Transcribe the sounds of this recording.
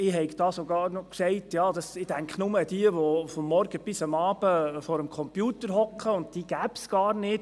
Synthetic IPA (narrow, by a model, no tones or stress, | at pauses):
ɪɦɛɪɡd̥ɑːsoɡɑːɾnɔksɛɪtjɑːdɑsɪd̥æŋkχnʊməd̥iəʋɔfɔmːɔɾɡ̥əb̥ɪsəmɑːb̥əfɔɾəmkʰɔmpjuːtəɾɦɔkχəʊnd̚tiːɡ̥æbsɡ̥ɑːɾnɪt